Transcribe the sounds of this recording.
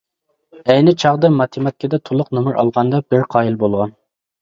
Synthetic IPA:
ɛjnɪt͡ʃʰɑʁd̪ɨmɑt̪ʰɪmɑt̪̚kʲʰid̪ɛt̪ʰolˠʊqnɨmuɾʔɑ̰lˠʁɑnd̪ɑbɪɾqʰɑːilbolˠʁɑn

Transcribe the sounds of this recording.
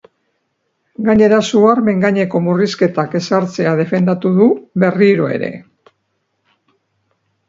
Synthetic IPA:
ɡaɲe̞ɾasuaɾme̞ŋɡaɲe̞ko̞muriske̞t̪ake̞saɾt͡se̞að̞e̞fe̞nd̪at̪uðuβe̞riɾo̞e̞̰ɾe̞̰

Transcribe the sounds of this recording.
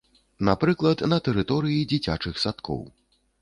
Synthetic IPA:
napɾɨklˠɐt̪nɐt̪ɛɾɨt̪ɔɾɨjid͡zʲit͡sʲat͡ʂɨxsat̪kʰɔ̰w

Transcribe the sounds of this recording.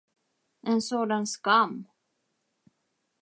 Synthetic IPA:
ʔɛnsoːd̪anskamː

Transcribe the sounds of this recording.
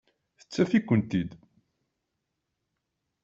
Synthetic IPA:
θə̥t͡sːæfikʷːənt̪id̪

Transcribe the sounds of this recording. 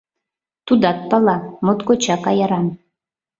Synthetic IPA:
t̪ud̪ɑt̪̚pɑlˠɑmot̪kot͡ɕɑkɑjɑɾɑn

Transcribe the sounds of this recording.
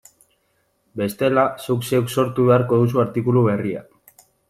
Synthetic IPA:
be̞st̪e̞lasukse̞wkso̞ɾt̪uβe̞aɾko̞ðus̬uaɾt̪ikuluβe̞ria̰

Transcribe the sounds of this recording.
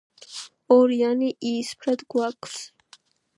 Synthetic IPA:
ɔɾijaniʔiːspʰɾɛd̪ɡwakʼʰs

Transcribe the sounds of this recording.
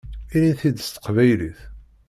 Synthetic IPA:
iniθid̪st̪ə̥qvæjliθ

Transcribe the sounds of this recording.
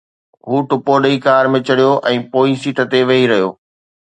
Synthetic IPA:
ɦuːʈʊpoɗəikaːɾmẽt͡ɕɐɽijoʔɛ̃ːpoːisiːʈʰə̆t̪eʋɐɦiɾɐɦijo̰ː

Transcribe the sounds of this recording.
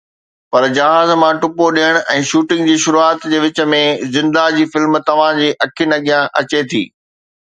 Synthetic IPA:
pɐɾd͡ʑɐɦaːzmãːʈʊpoɗijəɽ̃ʔɛ̃ːʃuːʈɪ̃ŋɡd͡ʑiːʃʊɾuaːt̪d͡ʑeːʋɪt͡ɕə̆mẽzɪ̃nd̪ad͡ʑiːfɪlmt̪ɐʋ̤ãd͡ʑiːʔɐkʰɪnɐɠijãʔɐt͡ɕet̪ʰḭː

